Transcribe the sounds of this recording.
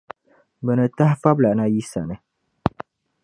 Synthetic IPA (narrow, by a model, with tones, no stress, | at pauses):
bə˨nət̪a˦hfa˦bla˨ʔna˧ji˦sa̰˨nə˨